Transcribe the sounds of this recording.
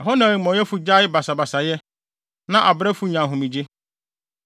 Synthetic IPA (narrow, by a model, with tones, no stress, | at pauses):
ɛ˨ɦɔ˦nã˨i˨mɔ̃˨˦jɛ˦fu˦d͡ʑa˦ɪ˦ba˨sa˨ba˨sa˨jɛ˦ | nã˦ʔa˨bɾɛ˦fu˦ɲã˨ɦʊ̃˨mĩ˨d͡ʑe˦